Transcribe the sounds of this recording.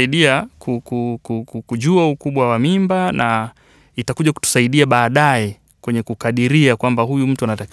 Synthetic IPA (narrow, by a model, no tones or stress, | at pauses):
iɗiakʰukukukukuʄuaukuɓwawamimbanʔa | itakuʄaku̥tu̥saiɗiaɓaːɗajɛ | kwɛɲɛkukaɗiɾiakwambahujum̩tuanatak